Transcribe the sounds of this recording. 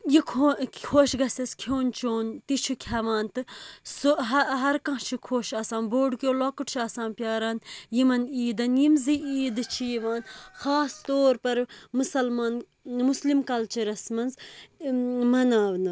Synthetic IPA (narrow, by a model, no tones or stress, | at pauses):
jikʰokʰoːʃɡɐsɐskʰoːnt͡ʃoːnt̪it͡ʃʰukʲʰɐʋaːnt̪ɨsoɦɐɦɐɾkɐ̃t͡ʃʰikʰoːʃɐsaːnboːɖkʲoːlokuʈt͡ʃʰiɐsãːnpʲjaːɾɐnjimɐniːd̪ɐnjimziiːd̪ɨt͡ʃʰijiʋaːnxaːst̪oːɾpɐɾmusɐlmaːn | muslimkɐlt͡ʃɐɾɐsmɐnz | mɐnaːʋnɨ